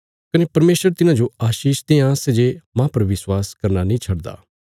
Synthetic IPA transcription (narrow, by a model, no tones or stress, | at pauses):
kɐnepɐɾmeːʃəɾt̪ɪnãd͡ʒoaːʃiːʃd̪ẽãːsed͡ʒemãpɐɾʋɪswaːskɐɾnanĩːt͡ʃʰɐɽd̪a̰ː